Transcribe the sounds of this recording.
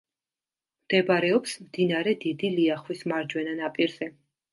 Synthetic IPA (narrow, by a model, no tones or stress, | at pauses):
md̪̥ɛbaɾɛɔpsmd̪inaɾɛd̪id̪iliaχwismaɾd͡ʒwɛnanapʼiɾz̥ɛ